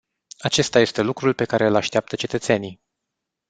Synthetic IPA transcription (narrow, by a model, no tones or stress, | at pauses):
at͡ʃe̞st̪aje̞st̪e̞lukɾulpe̞kaɾe̞ɨlaʃt̪eap̚t̪ət͡ʃe̞t̪ət̪se̞nij